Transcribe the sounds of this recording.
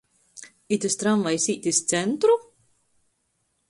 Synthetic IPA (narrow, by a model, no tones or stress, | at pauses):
it̪ʲɨst̪ɾamvajsʲiːt̪ʲist̪sɛnt̪ɾu